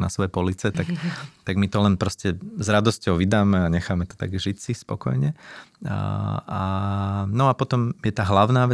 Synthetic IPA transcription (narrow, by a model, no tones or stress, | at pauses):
na̰sʋɔjɛpɔlit͡sɛt̪akt̪aɡmit̪ɔlɛnpɾɔscɛzɾad̪ɔscɔʊʋid̪aːmɛaɲɛxaːmɛt̪ɔ̥t̪a̰ɡʒisispɔ̰kɔ̰jɲɛ | a | nɔapɔt̪ɔmjɛt̪aːɦlaʊnaːʋɛ